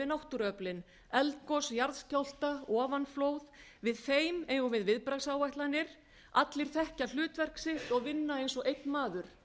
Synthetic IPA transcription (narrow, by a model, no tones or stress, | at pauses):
ɪnawht̪ʏɾœplɪn | ɛlt̪kɔsjaɾðscawl̥t̪aɔːvanfloːwðvɪðfeːjmejɣʏvɪðvɪðpɾaɣsawajht̪lanːɪɾ̥ | at̪lɪɾ̥θɛhcal̥ʏːt̪vɛr̥ksɪht̪ɔɣvɪnːaejnsɔɣejt̪nmaːðʏɾ̥